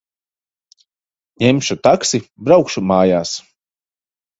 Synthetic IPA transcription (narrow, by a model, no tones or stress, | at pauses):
ɲɛmʃut̪aksibɾawkʃumaːjaːs